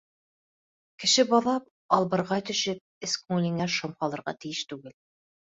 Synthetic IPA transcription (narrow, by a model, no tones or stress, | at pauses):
kɘ̆ʃɘbɑðɑp̚ | ɑlˠbɤ̆ɾʁɑjt̪ɵ̆ʃɘp̚ɘskuŋlʲiŋæʃŏmhɑlˠɤ̆ɾʁɑ̰t̪ɘ̆jɘʃt̪ʉɡɘl